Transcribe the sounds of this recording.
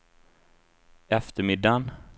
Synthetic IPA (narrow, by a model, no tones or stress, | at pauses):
ɛft̪əɾmɪd̪ːan